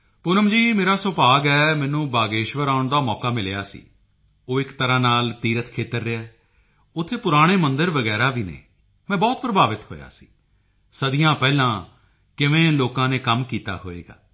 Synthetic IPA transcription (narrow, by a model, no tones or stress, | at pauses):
pʊɾəmd͡ʒiːmeːɾaːsʊpaːɡɛːmɛ̃ːnũːbaːɡeːʃʋəɾaːʊɳd̪aːmɔːkaːmɪljaːsḭː | oːɪkt̪əɾãːnaːlt̪iːɾət̪kʰeːt̪əɾːɪɛː | ʊt̪ʰːeːpʊɾaːɽ̃eːmənd̪əɾʋəɡɛːɾaːʋiːnḛː | mɛ̃ːbɔːt̪̚pɾəbaːʋɪt̪ho̰ːja̰ːsi̥̰ː | səd̪ɪjãːpɛːlãː | kɪʋẽːloːkãːneːkəmkiːt̪a̰ːɦo̰ːḛːɡa̰ː